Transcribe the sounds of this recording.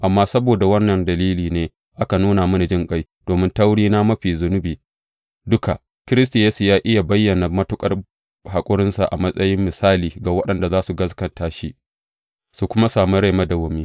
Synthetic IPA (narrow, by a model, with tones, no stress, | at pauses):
ʔa˨mːaː˦sɐ˦boː˨da˨wɐ˦nːɐ˨ndɐ˨liː˦liː˨neː˦ | ʔa˦ka˨nuː˦na˨mɐ˦na˨d͡ʒɪ˦ŋkʼa˦j | d̥oː˨mɪ˦ntɐ˦wɽiː˦na˦mɐ˦ɸiː˨zʊ˨˦nʊ˦biː˨ | dʊ˦ka̰˨ | kʲɪ˦ɾɪ˦s̬ti˨jeː˦su˨jaː˦ʔɪ˦ja˨bɐ˦jːɐ˨na˨mɐ˦tʊ˦kʼɐ˦r | ha˨kʷʼʊ˦ɽɪ˦nsa˨ʔa̰˨mɐ˦sʼɐ˦jɪ˦mːɪ˨saː˦liː˨ɡa˨wɐ˦ɗɐ˨nda˨zaː˦su˨ɡɐ˦skɐ˨ntaː˨˦ʃi˦ | su˨kʷʊ˦ma˦saː˨mu˦ɽa˦˨jmɐ˦dɐ˨wʊ˨miː˦